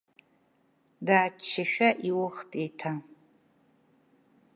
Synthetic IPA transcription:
daːt͡ʃʰːɪʃᶣaʔiwʊχtʼejtʰa

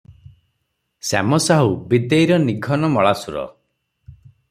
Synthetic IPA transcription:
sa̰mɔsaɦubid̪ejɾɔniɡʱɔnɔmɔɭasuɾɔ̰

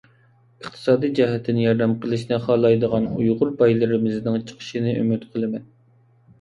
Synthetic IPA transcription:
əχt̪ʰɨ̥sɑːd̪ijd͡ʒɛɦɛt̪ʰːɪnɪjɑɾd̪ɛmqʰəlˠɨʃnɨχɑːlˠɑjd̪əʁɑnujʁʊɾbɑjlˠɨɾɨmɪznɨŋt͡ʃʰə̥qʰə̥ʃinɨʔy̰myt̪qʰəlˠɨmɛn

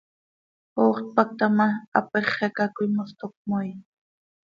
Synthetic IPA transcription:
oːχt̪̚pak̚t̪amaa̰peχekakʊjmʊst̪ok̚mʊj

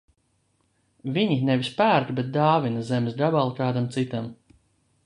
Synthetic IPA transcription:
viɲinɛvʲispæːɾt̪bɛt̪̚d̪aːvinɐzɛmsd̪abalˠkaːd̪amt̪sit̪am

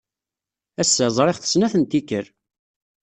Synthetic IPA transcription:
æsːæzˤɾˤeʁθə̥snæθənt̪ikːəɾ

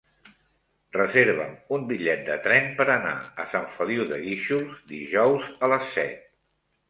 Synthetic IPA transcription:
rəzeɾβ̞əmumbiʎɛt̪̚d̪ət̪ɾɛmpəɾəna̰əsaɱfəliwðəɣiʃuzd̪iʒɔwzələsːɛ̰t̪̚

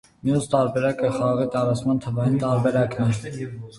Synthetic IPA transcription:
mijust̪ɑɾbɛɾɑkəχɑʁɑʁit̪ɑɾɑt͡sʰmɑnt̪ʰəvɑjint̪ɑɾbɛɾɑknɛɾ

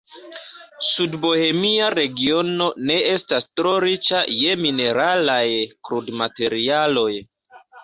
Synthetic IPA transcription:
sudbo̞he̞miaɾe̞ɡio̞no̞ne̞e̞stastɾo̞ɾit͡ʃaje̞mine̞ɾalajkɾudmate̞ɾialo̞j

